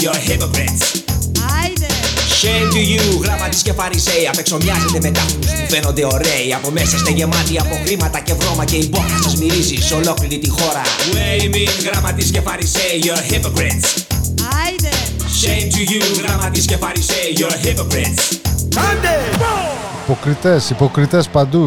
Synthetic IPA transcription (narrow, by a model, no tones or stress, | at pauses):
joɾhipopɾets | ʃejnt̪uʝuɣɾɐmɐt̪iscefɐɾisejɐpekso̞mɲɐzond̪eme̞t̪ɐustufeno̞nd̪e̞o̞ɾeiɐpo̞mesɐst̪ɐʝe̞mɐt̪iɐpo̞xɾimɐt̪ɐce̞vɾo̞mɐce̞ibonɐsɐzmiɾiziso̞lo̞kliɾit̪ixo̞ɾɐweiminɣɾɐmɐt̪iscefɐɾiseiʝoɾhipopɾins | t͡ʃent̪ujuɣɾɐmɐt̪iscefɐɾiseiʝoɾipopɾisɐnd̪e | ipo̞kɾit̪e̞sipo̞kɾit̪e̞spɐnd̪u